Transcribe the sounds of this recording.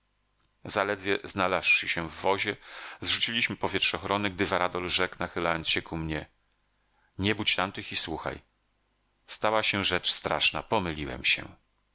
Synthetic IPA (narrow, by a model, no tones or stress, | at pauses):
zalɛd̪vʲjɛznalasʂɘɕɛvːɔʑɛzʐut͡ɕilʲiɕmɘpɔvʲjɛtʂɔxɾɔnɘɡd̪ɘvaɾad̪ɔlʐɛknaxɘlajɔnt̪sɕɛkumɲɛ | ɲɛbut͡ɕt̪amt̪ɘxiswuxa̰j | st̪awaɕɛʐɛt͡ʂst̪ɾa̰ʂna̰pɔmɘlʲiwɛ̰mɕɛ̰